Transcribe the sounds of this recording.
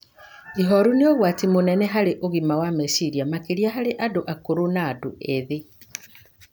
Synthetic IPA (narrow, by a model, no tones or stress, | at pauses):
iɦɔɾuneoɣwatimonɛnɛɦaɾeʔoɣimawamɛsiɾiamakeɾiaɦaɾeʔadoʔakoɾunaːdoʔeðe